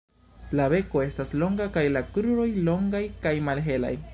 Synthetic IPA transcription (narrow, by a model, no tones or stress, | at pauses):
laβe̞ko̞e̞staslo̞ŋɡakajlakɾuɾo̞jlo̞ŋɡajkajmalɦe̞la̰j